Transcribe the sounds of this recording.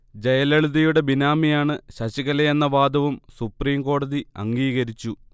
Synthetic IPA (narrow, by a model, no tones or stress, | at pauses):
d͡ʑɐjɐlɐɭuðɐjuɽe̞binaːmijaːɳɨɕɐɕiɣɐlɐjenːɐʋaːd̪ʱɐʋumsupriːmko̞ːɽɐðiɐ̰ŋɡiːɣɐɾit͡ɕːu